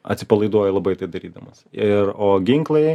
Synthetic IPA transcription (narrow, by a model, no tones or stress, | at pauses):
ɐ̰t̪ʲsʲɪpɐlˠɐɪd̪uɔjɛlˠɐbɐɪt̪ɐɪd̪ɐɾʲiːd̪ɐmɐsɪɾoːɡʲɪŋklˠɐɪ